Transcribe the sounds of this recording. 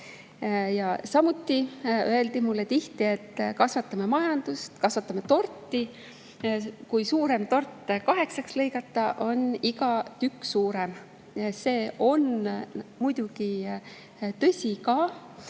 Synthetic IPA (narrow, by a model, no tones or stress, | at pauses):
jɑsɑmut̪ːˑiø̞e̞ld̪̥imulːet̪iht̪ie̞t̪ːˑkɑsvɑt̪ːˑɑme̞mɑjɑnd̪̥ust̪kɑsvɑt̪ːˑɑme̞t̪o̞rt̪ːˑi | kujsuːɾe̞mt̪o̞rt̪ːˑkɑɦe̞ksɑksle̞jɡɑt̪ːˑɑʔo̞niɡɑt̪ykːsuːɾe̞m | se̞ːʔo̞n | mujd̪̥uɡ̥i | t̪ɤ̞sʲikɑː